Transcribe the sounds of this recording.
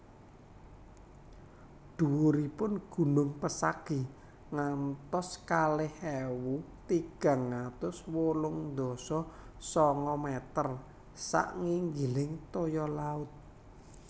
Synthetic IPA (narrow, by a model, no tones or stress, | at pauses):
d̪̥uwuɾipʊnɡ̥ṳnʊŋpəsaɡ̥i̤ | ŋant̪ɔskalɪhɛwut̪iɡ̥a̤ŋːat̪ʊswolʊŋnd̪ɔ̤sɔsɔŋɔmɛt̪ər | sa̰ʔŋiŋɡilɪŋt̪ojɔlaʊt̪̚